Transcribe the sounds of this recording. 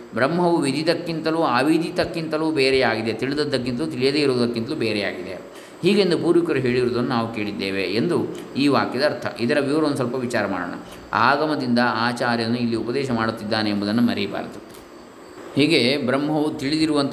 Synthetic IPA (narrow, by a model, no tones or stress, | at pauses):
bɾɐmːɦɐʋuʋid̪ʱid̪ɐkːint̪ɐluaːʋid̪it̪ɐkːint̪ɐluːbeːɾɛjaːɡid̪et̪iɭid̪ɐd̪ːɐk̬ːint̪ɐlut̪iɭjɐd̪eiɾoːd̪ɐkːint̪ɐluːbeːɾɛja̰ːɡid̪e̞̰ | hiːɡend̪upuːɾʋikɐɾuɦe̞ːɭiɾoːd̪ɐnːunaːʋuke̞ːɭid̪ːeːʋe̞ːnd̪uiːʋaːkjɐd̪ɐːɾt̪ʰɐ̰ʔid̪ɐɾɐʋiʋɐɾɐond̪usɐlpɐʋit͡ʃaːɾɐma̰ːɽo̰ːɳɐ̰ | a̰ːɡɐmɐd̪ind̪ɐaːt͡ʃaːɾjɐnːuilːiupɐd̪ɛːʃɐmaːɽut̪ːid̪ːaːneːmbud̪ɐnːumɐɾiiba̰ːɾɐt̪u | hiːɡe̞bɾɐmɦɐʋut̪iɭid̪iɾuʋɐnt̪